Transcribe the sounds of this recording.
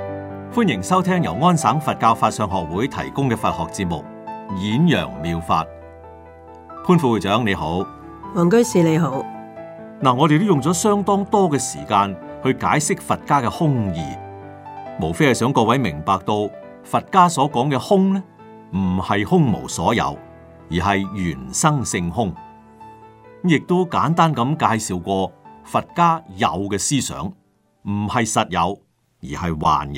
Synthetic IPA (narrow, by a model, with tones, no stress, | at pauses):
fuː˥njɪ˨˩ŋsɐ˥wt̪ʰɛː˥ŋjɐ̰˨˩wŋɔː˥nsaː˨˥ŋfɐ˨t̚kaː˧wfaː˧t̚sœː˧ŋɦɔː˨k̚wuː˨˥jt̪ʰɐ̰˨˩jkʊ˥ŋkɛː˧fɐ˨t̚hɔ̰ː˨k̚t͡siː˧t̚mʊ̰˨k̚jiː˨˥njœ̰ː˨˩ŋmiː˨˧wfa̰ː˧t̚ | pʰuː˥nfuː˧wuː˨˩t͡sœː˨˥ŋne˨˧jho˨˥w | wɔː˨˩ŋkɵ˥ɥsiː˨˧le˨˧jɦo˨˥w | naː˨˩ŋɔː˨˧ɾe˨jt̪o˥wjʊ˨ŋt͡sɔː˨˥sœː˥ŋt̪ɔː˥ŋt̪ɔː˥kɛː˧sḭː˨˩kaː˧nhɵ˧ɥkaː˨˥jsɪ˥k̚fɐ˨t̚kaː˥kɛː˧hʊ˥ŋjḭː˨ | mo˨˩wfe˥hɐ˨jsœː˨˥ŋkɔː˧wɐ˨˥jmɪ˨˩ŋpaː˨k̚t̪o˧w | fɐ˨t̚kaː˥sɔː˨˥kɔː˨˥ŋkɛː˧hʊ˥ŋnɛ˥ | m̩˨˩hɐ˨jhʊ˥ŋmo̰˨˩wsɔ̰ː˨˥jɐ̰˨˧w | jiː˨˩ɦɐ˨jɥyː˨˩nsɐ˥ŋsɪ˧ŋhʊ˥ŋ˥ | jɪ˨k̚t̪o˥wkaː˨˥nt̪aː˥nkɐ˨˧˥mkaː˧jsiː˨wkʷɔː˧fɐ˨t̚kaː˥jɐ̰˨˧wkɛː˧siː˥sœ̰ː˨˥ŋ | m̩˨˩hɐ˨jsɐ˨t̚jɐ̰˨˧w | jiː˨˩hɐ˨jwa̰ː˨nj